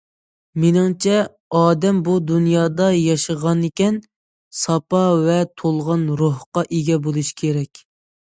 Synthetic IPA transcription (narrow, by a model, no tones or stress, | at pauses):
menɪŋt͡ʃʰɛ | ɑːd̪ɛmbud̪unjɑːd̪ɑjɑʃəʁɑnekʲɛn | sɑpɑvɛt̪ʰolˠʁɑnɾohqɑʔeɡʲɛbolˠuʃkʲʰeɾɛkʲ